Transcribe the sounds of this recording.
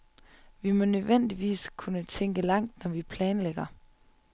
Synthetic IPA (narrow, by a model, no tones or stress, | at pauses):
ʋimɒ̽nøðʋen̰d̥iʋḭːskʰunət͡sʰeŋ̰ɡ̥əlɑ̈ŋ̰d̥nɒʋipʰlɛːnleɡ̥ɐ